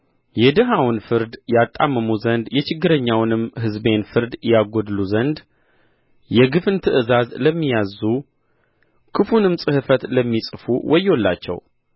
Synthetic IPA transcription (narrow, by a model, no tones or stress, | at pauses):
jɛd̪ɨɦawnfɨɾd̪jat̪ʼːa̰mːəmuzənd̪jɛt͡ʃɪɡːɨɾəɲːawnɨmɦɨzbe̞nfɨɾd̪jaɡod̪luzənd̪ | jɛɡɨfɨnt̪ʰɨʔɨzazləmːijazu | kʰɨfunɨmsʼɨhɨfət̪ləmːisʼfṵwʔɔjːolːa̰t͡ʃːɛ̰w